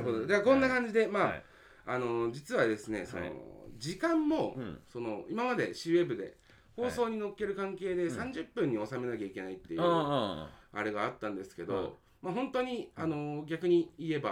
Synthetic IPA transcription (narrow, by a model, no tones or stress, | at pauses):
kod̪od̪ekõ̞nːakãɲ̟d͡ʑid̪e̞maː | ano̞d͡ʑit͡sɨβad̪e̞sɨne̞̰so̞no̰d͡ʑikãmːo̞so̞no̞imamad̪e̞ɕie̞bɯ̟d̪e̞̰ | ho̞ːso̞ːɲ̟ino̞kːe̞ɾɯ̟kãŋke̞ːd̪e̞sãɲ̟d͡ʑɨpːɯ̟̃ɲ̟ːio̞same̞nakʲaikʲe̞nait̪ːejɯ | a̰ɾe̞ɡaːt̪ːãnd̪e̞sɨ̥ke̞d̪o̞̰ | maɦõ̞nt̪o̞ɲ̟iano̞ɡʲakɯ̟ɲ̟iie̞ba